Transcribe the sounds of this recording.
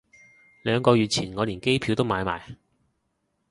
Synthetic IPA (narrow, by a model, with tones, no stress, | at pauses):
lœː˨˧ŋkɔː˧ɥyː˨t̚t͡sʰiː˨˩nŋɔː˨˧liː˨˩nke˥jpʰi˨˧wt̪o˥wmaː˨˧jma̰ː˨˩j